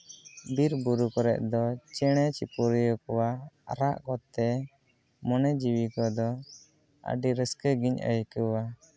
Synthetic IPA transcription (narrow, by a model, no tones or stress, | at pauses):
biɾbuɾukɔɾɛ̰ʔ̚d̪ɔt͡ʃɛɽ̃ɛt͡ʃipuɾijɔkɔwaaɾaʔkɔt̪ɛ | mɔnɛd͡ʒiwikɔd̪ɔ | ə̰ɖiɾəskəɡiɲə̰jkəwa